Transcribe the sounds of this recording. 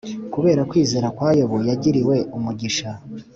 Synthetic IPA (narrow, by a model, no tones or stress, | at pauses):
kuβe̞ːɾakwiːze̞ːɾakwaːjoβojaɟiɾiwe̞ʔumuɟiʃa